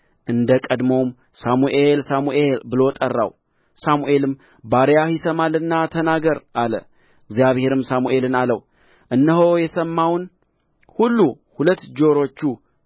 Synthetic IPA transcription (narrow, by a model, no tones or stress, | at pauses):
ʔɨnd̪əkʼəd̪mom | samuʔe̞lsamuʔe̞lbɨlo̞t̪ʼərːa̰w | samuʔe̞lɨm | baɾjahisəmalɨnːat̪ʰənaɡəɾʔalə̰ | ɡzjaβhe̞ɾɨmsamuʔe̞lɨnaləw | ʔɨnːəɦo̞jɛsəmːawn | hulːu | hulət̪ːd͡ʒo̞ɾo̞t͡ʃːu